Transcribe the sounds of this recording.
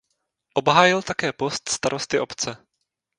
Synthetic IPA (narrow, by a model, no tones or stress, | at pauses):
ʔobɦaːjɪlt̪akɛːpo̞st̪st̪aɾost̪ɪʔopt͡sɛ